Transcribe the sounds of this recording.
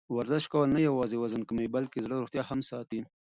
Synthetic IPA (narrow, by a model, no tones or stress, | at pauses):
wɐɾzɪʃkawanajawɑːzewɐzənkəmejbɐlkezɽaɾuxt̪jɑhamsɑːt̪i